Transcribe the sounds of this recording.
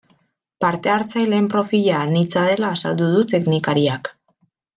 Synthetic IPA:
paɾt̪e̞aɾt͡sajle̞ːmpɾo̞fiʎanit͡saðe̞laːsald̪uð̞ut̪e̞knikaɾiak

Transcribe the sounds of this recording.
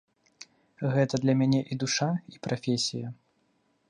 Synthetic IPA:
ɣɛt̪ɐd̪lʲɐmʲanʲɛʔid̪uʂaipɾafʲesʲijɐ

